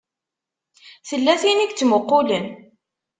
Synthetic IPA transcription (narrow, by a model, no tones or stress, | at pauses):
θəlːæθiniɡt͡sːmʊqːʊlən